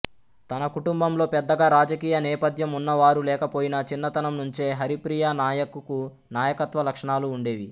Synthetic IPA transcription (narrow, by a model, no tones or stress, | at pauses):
t̪ɐnɐkuʈumbɐmlo̞ːpɛd̪ːɐɡaːɾaːd͡ʒɐkiːjɐnɛːpɐt̪jɐmunːɐʋaːɾulɛːkɐpo̞ːjinɐt͡ʃinːɐt̪ɐnɐmnuɲt͡ʃe̞ːɦɐɾipɾiːjaːnaːjɐkuku | naːjɐkɐt̪ʋɐlɐkʂɐɳaːluːɳɖe̞ːʋi